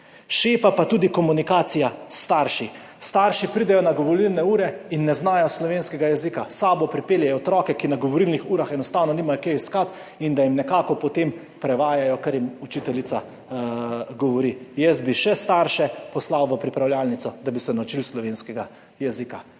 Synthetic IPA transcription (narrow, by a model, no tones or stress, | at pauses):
ʃeːpapat̪uːd̪ikɔmunikaːsijast̪aɾʃi | st̪aɾʃipɾid̪ɛjɔnaɡɔʋɔlilnɛuːɾɛinːɛznaːjɔslɔʋeːnskɛɡajɛzikasaːbɔpɾipeːljɛɔt̪ɾɔːkɛkinaɡɔʋɔɾilnixuːɾaxɛnɔst̪aːwnɔniːmajɔkeiskat̪ | ind̪ajimnɛkaːkɔpɔt̪em | pɾɛʋaːjajɔkaɾjimut͡ʃit̪ɛlit̪sa | ɡɔʋɔɾijɛsd̪̚biʃɛst̪aɾʃɛpɔslawʋəpɾipɾawlʲjaːlnit̪sɔd̪abisɛnawt͡ʃilslɔʋeːnskɛɡa | jɛzika